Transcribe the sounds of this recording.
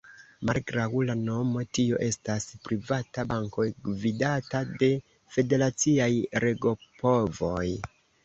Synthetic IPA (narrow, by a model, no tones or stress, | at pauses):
malɡɾawlano̞mo̞tio̞̰ʔe̞staspɾivatabaŋko̞jɡvidatade̞ | fe̞de̞ɾat͡siajɾe̞ɡo̞po̞vo̞j